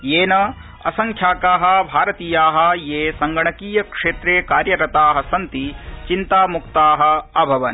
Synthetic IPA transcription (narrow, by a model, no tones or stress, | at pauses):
jeːnɐ | ɐ̰sɐŋkʰjaːkaːɦɐ̆bʱaːɾɐt̪iːjaːɦɐ̆jeːsɐŋɡɐɳɐkiːjɐkʂeːt̪ɾeːkaːɾjɐɾɐt̪aːɦɐ̆sɐnt̪it͡ʃint̪aːmukt̪aːɦɐ̆ɐbʱɐʋɐn